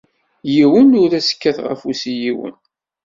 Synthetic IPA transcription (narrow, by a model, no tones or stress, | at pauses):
jiwənʊɾæsə̥kːæθʁə̰fusijiwə̰n